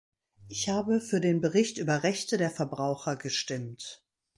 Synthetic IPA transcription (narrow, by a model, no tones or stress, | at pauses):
ʔɪçhaːbəfyːɐdeːnbəʁɪçtʔyːbɐʁɛçtədeːɐfɛɐbʁaʊxɐɡəʃtɪmt